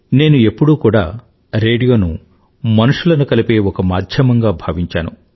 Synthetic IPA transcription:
ne̞ːnue̞pːuɽuːkuːɽa̰ː | ɾe̞ːɽijo̞ːnṵ | mɐnuʂulɐnukɐlipe̞ːɔkɐmaːd̪ʱjɐmɐŋɡaːbʱɐːʋiɲt͡ʃa̰ːnu

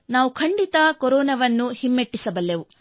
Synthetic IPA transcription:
naːʋukʰɐɳɖit̪ɐkoɾɔːnɐʋɐnːuhimːeʈːisɐbɐlːeʋu

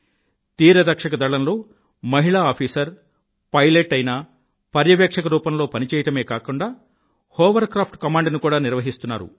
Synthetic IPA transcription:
t̪iːɾɐd̪ɐkʂɐkɐd̪ɐɭɐnlo̞ː | mɐɦiɭaːaːpʰiːsɐɾ | pɐjleʈːɐjnaː | pɐɾjɐʋɛːkʂɐkɐɾuːpɐmlo̞ːpɐnit͡ʃɛːjɐʈɐme̞ːkaːkuɳɖaː | hɔːʋɐɾkɾaːpʰʈkɐmaːɳɖnukuːɽaːniɾʋɐɦist̪unːa̰ːɾṵ

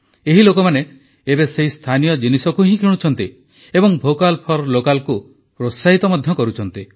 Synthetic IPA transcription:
eɦilokɔmane | ebeseɦist̪ʰanijɔd͡ʒinisɔkuɦĩkʰiɽ̃ut͡ʃʰɔn̪t̪i | ebɔŋbʱokalpʰɔɾlokalku | pɾosaɦit̪ɔmɔd̪ʱjɔkɔɾut͡ʃʰɔnt̪i

